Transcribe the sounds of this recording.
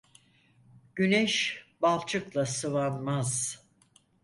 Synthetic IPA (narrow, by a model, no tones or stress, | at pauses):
ɟ̥ynɛʃbalˠt͡ʃʰɯklˠasɯvanmaz̥